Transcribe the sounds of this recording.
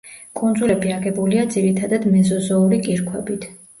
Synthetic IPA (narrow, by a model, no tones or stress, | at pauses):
kʼund̪zulɛbiaɡɛbuliad̪ziɾit̪ʰad̪ad̪mɛzɔzɔuɾikʼiɾkʰwɛbit̪ʰ